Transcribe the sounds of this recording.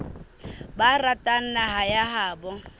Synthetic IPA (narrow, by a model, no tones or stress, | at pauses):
baratʼan̩naɦajaɦaːbɔ